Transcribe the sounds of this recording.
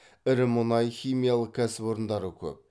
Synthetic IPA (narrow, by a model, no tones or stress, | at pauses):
ɪɾɪmʊnɑjχʲijmijalˠəq̚kʲʰæsɪpoɾənd̪ɑɾəkʲʰɵ̰p̚